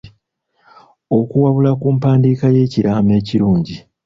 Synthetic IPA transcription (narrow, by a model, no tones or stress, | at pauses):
o̞kuwaβulakuːmpaːndiːkaje̞ːciɾaːme̞ːciɾuːɲɟi